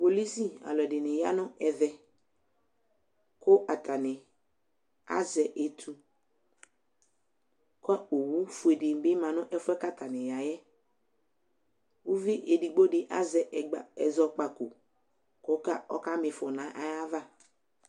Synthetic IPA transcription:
po˨li˦si˦a̰˨lɔ˨dɪ˨nɪ̃˨ja̰˦nʊ̃˦ɛ˨ðɛ˨ | kʊ˦ʔa˨tʰa˨nɪ˨ | a̰˦zɛ˨ʔe˨tʰu˦ | kɔ˦a˦o˨wu˦fu˨e˨dɪ˨bɪ˦mã˨nʊ̃˦ʔɛ˦fʊ˦ɛ˦ka˦tʰa˨nɪ̃˨ja˨jɛ˦ | wu˦vi˦ʔe˨di˨ɡ͡bo˦dɪ˨ʔa˦zɛ˨ɡ͡ba˨ɛ̰˨zɔ˦k͡pa˨kʊ̰˨ | kʊ˦ka˦ɔ̰˦ka˦mɪ˨fɔ˨nã˨˦ʔa˦ja˦va˦˨

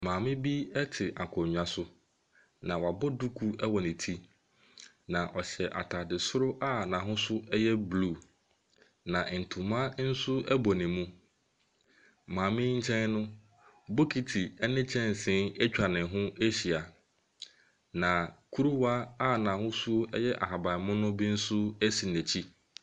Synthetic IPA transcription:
mãː˨mɪ̃˦bi˦ɛ˦tʰɪ˨ʔa˨kʰɔ̃˨ɲᶣ˨ã˨sʊ˦ | nã˨wa˨bʊ˦du˦kʰu˦ɛ˦wɔ˨nɪ̃˨tʰi˦ | nã˨ʔɔ˨ɕɛ˨ʔa̰˨tʰa˨dɪ˨sʊ˦ɾʊ˦ʔa˦nã˨ɦʊ̃˦sʊ˦ɛ˦jɛ˦bluː˦˨ | nã˨n̩˨tʰʊ̃˨mã˦n̩˦sʊ˦ɛ˦bɔ˨nɪ̃˨mũ˦ | mãː˨mɪ̃˦ɲ̩˦t͡ɕʰɛ̃˦nnʊ̃˦ | bo˦kʰi˦tʰi˨ɛ˦nɪ̃˦t͡ɕʰɛ̃˦n˨sɪ̃˦ɛ˦t͡ɕᶣa˨nɪ̃˨ɦʊ̃˦e˦ɕi˨a˨ | nã˨kʰu˦ɾu˦wa˦a˦˨nã˨hʊ̃˦sʊ˦ɛ˦jɛ˦ʔa̰˨ɦa˨ba˨mʊ̃˦nʊ̃˦bi˦n̩˦sʊ˦æ˦si˨n˨æ˨t͡ɕʰi˦

